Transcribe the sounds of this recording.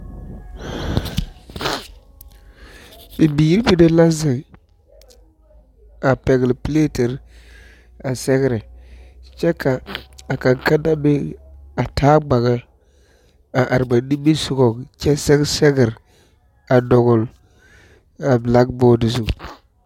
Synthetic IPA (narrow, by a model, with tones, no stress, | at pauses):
bi˨bi˨ji˦ɾbi˦de˦la˦zɪ˨ɡ | a˨pɛ˨ɡlple˦te˨ɾ | a˨sɛ˦ɡɾɛ˨ | t͡ʃɛ˦ka˨a˨ka˨ŋka˦da˦be˦a˨tʰaː˦ɡ͡ba˨ɣa˦ | a˨ʔa˨ɾba˨˦ni˦bi˦su˦˨ɡɔ˨kt͡ʃɛ˦sɛ˦ɡsɛ˦ɡɪ˨ɾ | a˨dɔ˨ɡɔ˨l | a˨bla˦ɡbɔː˦di˨zu˨